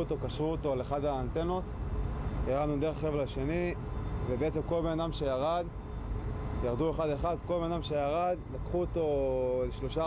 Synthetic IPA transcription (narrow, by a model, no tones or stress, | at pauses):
t̪o̞kaʃʁuot̪o̞leχadaːnt̪eno̞t̪ | jaʁad̪nud̪eʁeχːevlaʃe̞ni | vebeet͡semko̞lbe̞nadamʃe̞jaʁad̪ | jaʁd̪ue̞χadeχad̪ko̞lbe̞nad̪amʃe̞jaʁadlakχuot̪o̞leʃlo̞ʃa